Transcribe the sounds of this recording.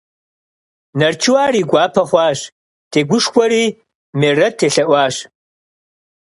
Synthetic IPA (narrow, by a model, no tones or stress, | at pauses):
nɐrt͡ʃʰɨwaːriːɡʷaːpʰɐχʷɑːɕ | tʰeːɡʷʊʂkʷʰʼɔɾiː | merɐtʰeːɬɐʔʷaːɕ